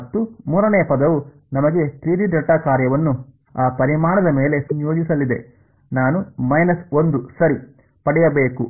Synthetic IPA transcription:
ɐt̪ːumuːɾɐnɛːɐpɐd̪ɐʋu | nɐmɐɡe̞t̪ɾiːɖiɖɐʈːaːkaːɾjɐʋɐnːu | aːpɐɾimaːɳɐd̪ɐme̞ːle̞sɐnjo̞ːd͡ʒisɐlːid̪e̞̰ | naːnumɐjnɐsond̪usɐɾi | pɐɽɛjɐbe̞ːku

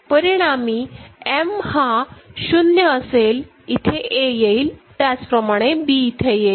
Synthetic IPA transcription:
pəɾiɽ̃amiːemhaɕunjəəsel | it̪ʰeʔejeilt̪jat͡spɾəmaɽ̃ebiit̪ʰeje

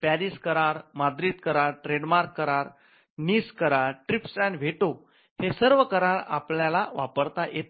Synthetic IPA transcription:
pæɾiːskəɾaɾmad̪ɾiːt̪kəɾaɾʈɾeɽmaɾkːəɾaɾ | niːskəɾaɾʈɾipsanʋ̤ʱeʈo | hesəɾʋəkəɾaɾa̰pljalaʋapəɾt̪ajʔet̪

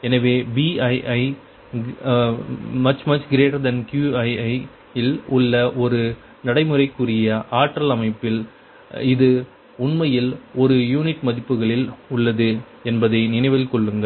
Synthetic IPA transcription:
ɛnɐʋeːbiɐɪʔɐɪ | mɐt͡ʃmɐt͡ʃɡɪɾeːʈɐɾd̪ɐnkjuɐɪɐɪ | ɪlʊɭːɐʔɔɾɯ | nɐɽɐɪmɯrɐɪkːɯrɪjɐʔaːʈrɐlɐmɐɪpːɪl | ɪðɯ | ʊnmɐjɪlɔɾɯjuːnɪʈmɐðɪpːɯɣɐɭɪlʊɭːɐðɯ | ɛnbɐðɐɪnɪnɐɪʋɐlkɔɭːɯŋɡɐɭ

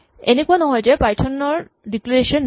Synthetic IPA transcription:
enekuanɔɦɔjd͡ʑepajʈʰɔnːɔɹ | ɖiklɔɾeʃɔnː

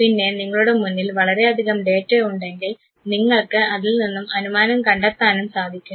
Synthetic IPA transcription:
pinːe̞niŋːɐɭuɽe̞munːilʋɐɭɐɾe̞ɐd̪ʱiɣɐmɖe̞ːtːeuɳɖe̞ŋɡil | niŋːɐɭkɨɐðilninːumɐnumaːnɐmkɐɳɖɐt̪ːaːnumsaːd̪ʱikʲːu

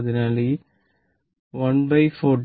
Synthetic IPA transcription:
ðinaːli | ʋɐnbɐɪfoːʈ

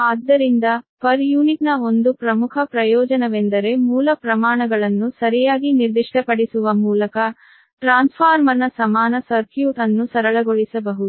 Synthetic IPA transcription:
aːd̪ːɐɾind̪ɐpʰɐɾjuːniʈnɐo̞nd̪upɾɐmukʰɐpɾɐjɔːd͡ʒɐnɐʋend̪ɐɾe̞muːlɐpɾɐmaːɳɐɡɐɭɐnːusɐɾijaːɡiniɾd̪iʂʈɐpɐɽisuʋɐmuːlɐkɐ | ʈɾaːnspʰaːɾmɐnːɐsɐmaːnɐsɐɾkjuːʈɐnːusɐɾɐɭɐɡoɭisɐbɐɦud̪u

